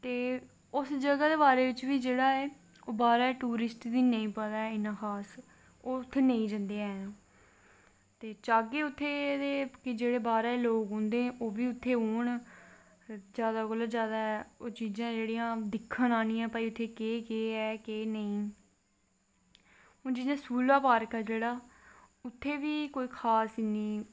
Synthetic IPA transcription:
t̪eː | ʊsd͡ʒəɡaːd̪eːbaːɾeːʋɪt͡ʃʋiːd͡ʒeːɽaːɛː | oːbaːɾɛːʈuːɾɪsʈd̪iːnə̃ĩːpəd̪aːɛɪnãːxʰaːs | oːʊt̪ʰːeːnə̃ĩːd͡ʒə̃nd̪eaɛnaː | t̪eːt͡ʃaːɡeːʊt̪ʰːeːd̪eːkɪd͡ʒeːɽeːbaːɾɛːloːkɦõːnd̪ẽːʔoːʋiːʊt̪ʰːeːɦoːɳ | zjaːd̪aːɡələt̪zjaːd̪aːɛoːt͡ʃiːzãːd͡ʒeːɽijãːd̪ɪkʰːãnaːnĩːãːpaːiːʊt̪ʰːeːkeːkeːɛːkeːnəĩː | ɦõːd͡ʒɪzãːsuːlaːpaːɾkɛːd͡ʒeːɽaːʊt̪ʰːeːʋiːkoːiːkʰaːsɪniː

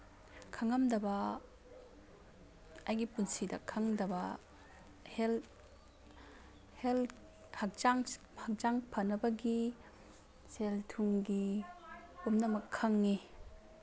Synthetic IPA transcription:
kʰaŋɐmdɐbɐ | ajɡipunsidɐ̰kʰaŋdɐbɐ | hel | hel | hak̚t͡ʃaŋ | hak̚t͡ʃaŋpʰɐnɐbɐɡi | seltʰuŋɡi | omnɐmɐkʰːaŋːi

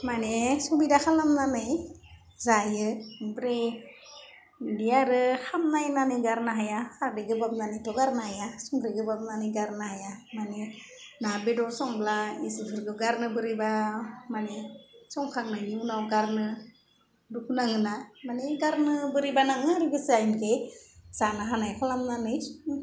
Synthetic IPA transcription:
manesubidaxalamnanaj | zajɯbɾe | dijaɾɯxamnajnaniɡaɾnaɦajaaɾdeɡɯbap̚nanajtɔɡaɾnahajasɔŋɡɾeɡɯbap̚nanɯɡaɾnahajamane | nabedɔsɔŋblaisufʰɯɾɡɯɡaɾnɯbɯɾibamanesɔŋkʰaŋnajniunawɡaɾnɯ | dukʰunaŋɯnamaneɡaɾnɯbɯɾibanaŋaɾiɡɯsɯajnkesanaɦanajkʰalamnanɯj

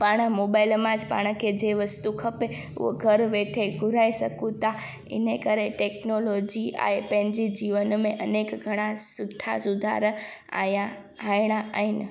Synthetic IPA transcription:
paːɽ̃moːbaːɪlmãd͡ʒpa̰ːɽ̃kʰed͡ʑeʋəst̪ukʰɐpe | ʊ̰ɦo̰ɡʱɐɾʋeːʈʰeɡʱʊɾaːisɐkũt̪a | ɪ̰nekəɾeʈeːknoloːd͡ʑia̰ːɦepɐ̃ɦɪ̃ɲd͡ʑid͡ʑiːʋənmẽʔɐneːkɡʱɐɽ̃ãsʊʈʰa̰sʊd̪ʱa̰ɾ | a̰ja | aːɪɽ̃aʔaːɦɪnɪ̆

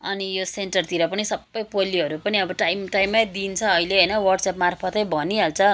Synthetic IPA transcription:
ʌ̰nijosenʈʌrt̪iɾʌpʌnisʌbːʌjpoliɦʌɾupʌniʌbʌʈajmʈajmːajd̪int͡sʰʌːileɦʌjnʌwʌrʈsʌpmarpʰʌt̪ʌjbʱʌniɦalt͡sʰʌ

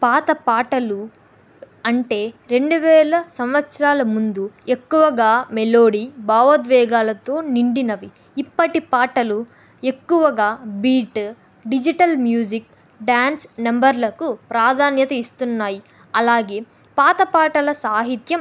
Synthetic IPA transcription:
paːt̪ɐpaːʈɐlu | ɐɳʈe̞ːɾe̞ɳɖuʋɛːɭɐsɐmʋɐt̪sɾaːlɐmund̪uekːuʋɐɡaːmeloːɽibaːʋɐd̪ʋɛːɡaːlɐt̪o̞ːniɳɖinɐʋiː | pːɐʈipaːʈɐlu | ekːuʋɐɡaːbiːʈ | ɖid͡ʒiʈɐlmjuːd͡ʒik | ɖaːnsnɐmbɐɾlɐkupɾaːd̪ʱaːnjɐt̪ɐist̪unːaːji | ɐlaːɡe̞ː | paːt̪ɐpaːʈɐlɐsaːɦit̪jɐm

